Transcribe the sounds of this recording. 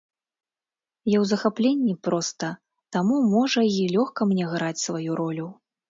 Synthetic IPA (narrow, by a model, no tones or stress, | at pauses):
jawzɐxaplʲenʲːipɾɔst̪ɐ | t̪amumɔʐɐilʲɔxkɐmnʲɛɣɾat͡sʲsvajuɾɔlʲu